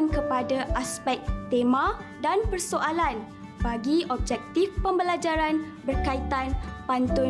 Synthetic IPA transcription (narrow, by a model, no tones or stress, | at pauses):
nkəpadaʔaspɛk̚t̪emãdanpərsoʔalan | baɡiʔɔb̚d͡ʒɛk̚t̪ifpəmbəlad͡ʒaɾan | bərkait̪anpant̪ʊ